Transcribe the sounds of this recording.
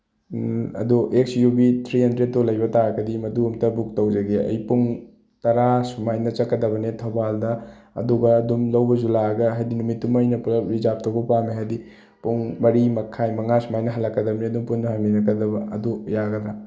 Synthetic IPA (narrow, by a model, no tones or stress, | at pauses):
ɐ̰duʔek̚sjubit̪ʰɾihɐndɾed̚tolɐjbɐtaɾɐkɐdimɐduumtɐbuk̚tɐwd͡ʒɐɡeɐ̰jpuŋ | tɐɾasumajnɐt͡ʃɐkːɐdɐbɐnetʰobaldɐɐ̰duɡɐːdumlɐwbɐzulaɡɐɦajdinumitːumajnɐpulɾizap̚tɐwbɐpameɦajdi | puŋmɐɾimɐkʰajmɐŋasumajnɐɦɐlːɐkːɐdɐbɐneɐdumpunːɐɦɐminɐkɐdɐbɐɐ̰dujaɡɐd̪ɾa